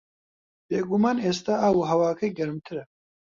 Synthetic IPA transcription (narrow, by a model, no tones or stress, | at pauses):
b̥eːɡumaːneːst̪aaːwuɦɐwaːkʰɐjɡɐɾɨmt̪ʰɨɾɐ